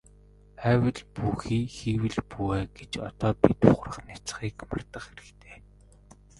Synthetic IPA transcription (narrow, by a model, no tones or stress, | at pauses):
æːwɘ̆ɮpuxiːxiːwɘ̆ɮpuæːɡet͡ɕɔ̰t̪ɔːpit̪ʊχrə̆χnat͡s̆χiːkma̰rt̪ə̆χxeɾɘ̆kt̪ʰeː